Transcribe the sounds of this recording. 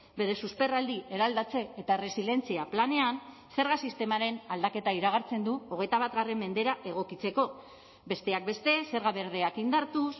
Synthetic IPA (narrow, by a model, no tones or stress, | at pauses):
be̞ɾe̞suspe̞rald̪iʔe̞ɾald̪at͡se̞ːt̪aere̞sile̞nt͡siaplane̞an | se̞ɾɣasist̪e̞maɾe̞nald̪ake̞t̪aiɾaɣ̞aɾt͡se̞nd̪uo̞ɣ̞e̞jt̪aβ̞at̪ɣare̞mːe̞nd̪e̞ɾaʔe̞ɣ̞o̞kit͡se̞ko̞ | be̞st̪e̞ak̚be̞st̪e̞se̞ɾɣaβe̞ɾð̞e̞akind̪aɾt̪us